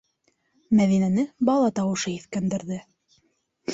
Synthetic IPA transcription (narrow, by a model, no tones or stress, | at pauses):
mæðinænɘbɑlˠɑt̪ɑwɤ̆ʃɤiθkænd̪ɘ̆ɾðɘ